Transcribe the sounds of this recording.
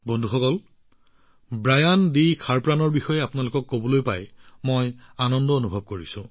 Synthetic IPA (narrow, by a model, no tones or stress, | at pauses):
bondʱuxɔkɔl | bɹajandikʰaɹpɹanɔɹbixɔjɛapʊnalʊkɔkːobɔlojpa̰jmojanɔndɔonubʱɔb̚koɹisʊ̰̃